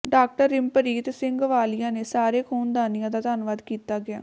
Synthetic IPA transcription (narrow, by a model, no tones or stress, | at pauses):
ɖaːk̚ʈəɾɪmpəɾiːt̪sɪ̃ŋɡʋaːlɪjãːneːsaːɾeːkʰoːnd̪aːnɪjãːd̪aːd̪aːnʋaːd̪kiːt̪aːɡɪa̰ː